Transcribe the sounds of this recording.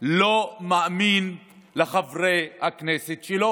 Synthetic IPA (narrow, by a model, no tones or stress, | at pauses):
lomaamin | leχavʁehakneset̪ʃelo